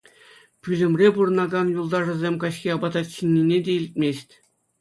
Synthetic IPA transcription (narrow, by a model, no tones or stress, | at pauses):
pʲylʲɘ̆mʲrʲepuɾɤ̆nɑɡɑnjulˠd̪ɑʐɤ̆zʲemʲkɑɕxʲiɑbɑd̪ɑt̪ɕinʲːinʲedʲeilʲtʲmʲesʲtʲ